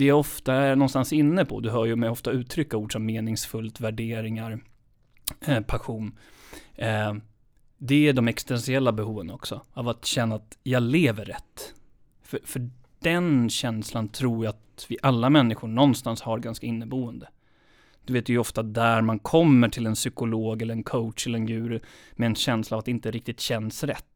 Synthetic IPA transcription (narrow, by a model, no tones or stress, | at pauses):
d̪ɛːɾɔft̪aænɔnst̪ansɪnːəpʰɔ̰d̪ɵɦœːjɵmɛjɔft̪aʉ̟ːt̪ʰɾʏkːauːɖʂɔmːeːnɪŋsfɵlt̪væɖeːɾɪŋaɾ | pʰaɧuːn | d̪ɛæɖɔmɛkst̪ɛnsɪɛlːabɛɦuːvənɔksɔavat̪ɕɛnːaːt̪jɑːɡleːvəɾːɛt̪ː | fœfœ | ɖ̥ɛnɕɛnslant̪ʰɾuːɾjaat̪vɪʔalːamɛnːɪɧʊɳɔnːst̪anshaɾɡanskaɪnːəbuːənd̪ə | d̪̥ɵveːt̪vɪjʏɔft̪ad̪æɾmankʰɔmːəʈʰɪlɛnsʏkʊloːɡɛləɾɛnkʰoʊtʂɛlːəɾɛnjʉ̟ːɾɪmɛɛnɕɛnslaːvat̪ɪnt̪əɾɪk̚t̪ɪt̪ɕɛnsɾɛt̪ː